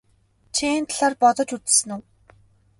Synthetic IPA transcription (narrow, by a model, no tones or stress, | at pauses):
t͡ɕʰeːnt̪ɮaːrpɔt̪ɞ̆t͡ɕut͡ssɘ̆nuw